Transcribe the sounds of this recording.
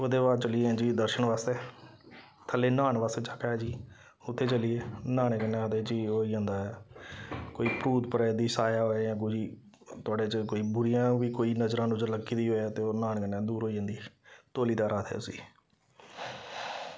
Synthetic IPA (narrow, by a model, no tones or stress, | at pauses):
oːd̪eːbaːd̪̚t͡ʃəlĩːd͡ʒiːd̪əɾʃəɳʋaːst̪eː | t̪ʰəleːnaːɳʋaːst̪eːt͡ʃakɛːd͡ʒiː | ʊt̪ʰːeːt͡ʃəlɪeːnaːɳẽkənːɛ̃ːəd̪eːd͡ʒiːoːiːãːnd̪aːɛ | koːiːpɾuːt̪pəɾɛːd̪iːsaːjaːɦõːk̬od͡ʒiː | t̪ʊaːɖeːt͡ʃkoːiːbʊɾɪjãːʋiːkoːiːnəzɾãːnʊd͡ʒəɾləɡiːd̪iːɦoːat̪eːoːnaːɳkənɛ̃ːd̪uːɾɦoːid͡ʒãːnd̪iːt̪oːliːd̪aːɾaːt̪ʰɦɛ̰ːʊsḭː